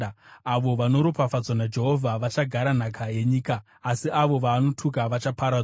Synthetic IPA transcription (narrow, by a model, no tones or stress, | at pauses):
aʋo̞ʋano̞ɾopafad͡zonad͡ʒe̞ɦo̞vʱaʋat͡ʃaɡʱaɾan̤akʰaje̞ɲiːkaː | siʔaʋo̞ʋaːno̞tʰuk̬aʋat͡ʃapʰaɾa